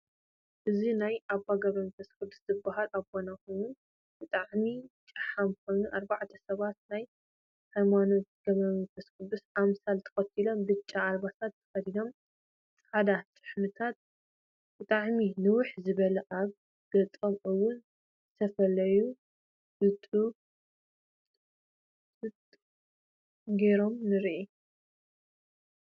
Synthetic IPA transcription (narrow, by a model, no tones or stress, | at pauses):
ʔɨzinajʔabaɡɐβɐmfʰɐskɨd̪u̥szɨbːaɦalʔaβɡonako̞jnu | bɨt̪ʼaʕmit͡ʃʼɨħamkʰʷo̞jnuʔaɾbaʕt̪ʰɐsɐβat̪̚naj | hajmano̞t̪̚ɡ̥ɐβɐmɨfʰɐskɨd̪usʔamsalt̪ʰɐ̥xɐt̪ʰilo̞mbɨt͡ʃʼːaːlbasat̪ːɨ̥fɐd̪id̪o̞m | t͡sʼad̪at͡ʃʼɨ̥ħmɨt̪ʰat̪̚ | bɨt̪ʼaʕminɨwʊħzɨβɐlɐʔaβ | ɡ̥ɐt͡s̪ʼomʔɨwːʊn | zɨt̪ʰɐfɐlɐju | bɨt̪ʼu | ɨt̪ʼ | ɡe̞ɾo̞mnɨɾʔi